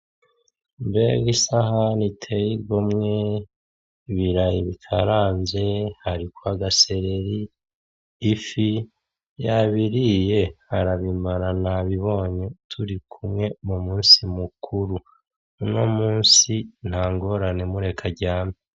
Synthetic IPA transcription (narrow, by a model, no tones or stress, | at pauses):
mbe̞̰ɡisahanitʰejiɾɡomŋe | βiɾajiβikʰaɾaːnze̞haɾikwaɡase̞ɾe̞ɾiː | fi | jaβiɾije̞haɾaβimaɾanaβiβo̞ːɲetʰuɾikʰumŋe̞mumuːnsimukʰuɾu | no̞muːnsin̥haːŋɡo̞ɾane̞muɾe̞kʰaɟaːmi